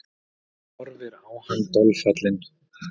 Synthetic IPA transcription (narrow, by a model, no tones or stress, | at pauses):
ɔɾvɪɾaːwhant̪ɔlfat̪lɪn